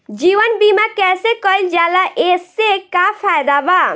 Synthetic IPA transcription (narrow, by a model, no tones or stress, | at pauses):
d͡ʒiʋənbimakɛsekəjld͡ʒalaʔesːekapʰajd̪aba